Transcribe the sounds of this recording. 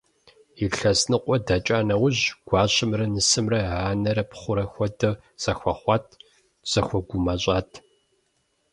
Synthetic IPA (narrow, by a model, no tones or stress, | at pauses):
iɬɐsnɨqʷʼɔdɐt͡ʃʼaːnɐwʊʑɡ̥ʷɑːɕɪmrɐnɨsɨmrɐʕaːnɐɾɐpχʷʊɾɐxʷɔdɐ | z̥ɐxʷɐχʷɑːtʰ | z̥ɐxʷɔɡʷʊmɐɕʼaːtʰ